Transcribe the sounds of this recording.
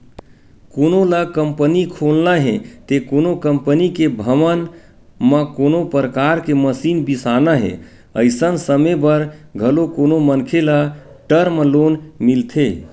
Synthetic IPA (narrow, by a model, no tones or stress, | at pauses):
konolakəmpənikʰolnaɦet̪ekonokəmpənikebʱəmən | məkonopɾəkaɾkeməsinbisanaɦḛ | ə̰ɪsənsəmebəɾɡʱəlokonomənkʰela | ʈəɾmlonmilt̪ʰe